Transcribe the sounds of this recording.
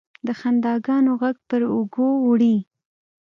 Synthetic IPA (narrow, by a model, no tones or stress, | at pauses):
d̪əxand̪ɑɡɑnoɣaɡ̚pəɾʊɡowɽi